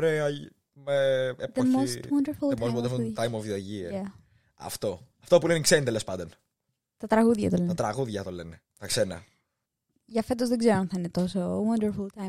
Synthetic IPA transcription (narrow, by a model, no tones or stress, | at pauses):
oɾeɐ | meepðemost̪wɐndəɾfulˠmoswond̪ɾft̪ajmovðiɐʝiɐ | ɐ̰ft̪o̞ɐft̪op̬uleniksenit̪elespɐnd̪on | t̪ɐt̪ɾɐɣuðʝɐ̰t̪olenɐɐt̪ɾɐɣuðʝɐt̪olene | t̪ɐksenɐ̰ | ʝɐfet̪ozðeɡzeɾoɐnθɐinet̪o̞sowɐndəɾfult̪ajm